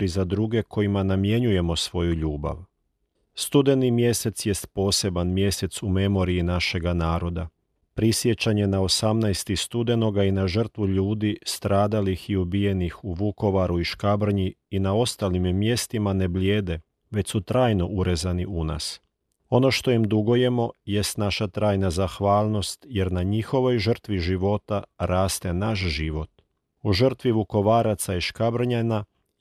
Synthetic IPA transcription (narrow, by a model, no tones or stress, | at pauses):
ɾizad̪ɾuɡe̞kʰo̞jimanamje̞ɲuje̞mo̞sʋo̞juʎuːba̰ʋ | st̪ud̪e̞nimje̞se̞t̪sje̞st̪po̞ːse̞banmje̞se̞t̪sume̞mo̞ɾiinaʃe̞ɡanaːɾo̞d̪a | pɾisje̞t͡ɕaɲe̞nao̞samnajst̪ist̪ud̪e̞no̞ɡainaʒər̩t̪ʋuʎuːd̪ist̪ɾaːd̪alixiubije̞nixuʋuko̞ʋaɾuiʃkabr̩ɲiinao̞st̪alimːje̞st̪imane̞bljeːd̪e̞ | ʋe̞t͡ɕsut̪ɾaːjno̞ʔuɾe̞zaniuna̰s | o̞no̞ʃt̪o̞imd̪uɡo̞je̞mo̞je̞st̪naʃat̪ɾaːjnazaxʋaːlˠno̞st̪je̞ɾnaɲixo̞ʋo̞jʒr̩t̪ʋiʒiʋo̞t̪aɾaːst̪e̞naʃ̬ʒiʋo̞t̪ | uʒər̩t̪ʋiʋuko̞ʋaːɾat̪saiʃkabr̩ɲana